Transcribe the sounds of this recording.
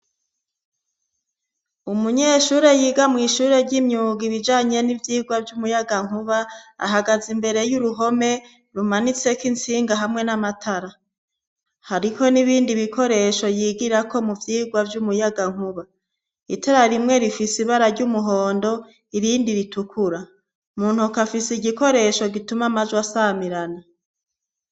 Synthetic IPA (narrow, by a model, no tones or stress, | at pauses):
umuɲeːʃuːɾe̞jiːɡamŋiːʃuːɾe̞ɾɟimɲuːɡiβid͡ʒaːɲe̞nivjiːɡwavjumujaɡaŋ̥uβaa̰ɦaɡazimbe̞ɾe̞juɾuɦo̞me̞ | ɾumanit͡se̞kint͡siːŋɡaɦamŋe̞namatʰaɾa | haɾiho̞niβiːndiβikʰo̞ɾe̞ʃo̞jiːɡiɾako̞muvjiːɡwavjumujaɡaŋ̥uβa | itʰaɾaɾimŋe̞ɾifisiβaɾaɾɟumuɦo̞ːndo̞ | iɾiːndiɾitukʰuɾa | muːn̥hukafisiɟiko̞ɾe̞ʃo̞ɡitumamazwasamiɾana